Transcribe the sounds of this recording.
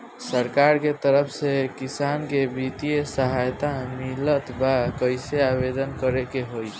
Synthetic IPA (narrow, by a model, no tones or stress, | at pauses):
səɾkaɾket̪əɾəpʰsekisankebʱit̪ijesəɦajt̪amilət̪bakəjseabed̪ənkəɾekeɦoj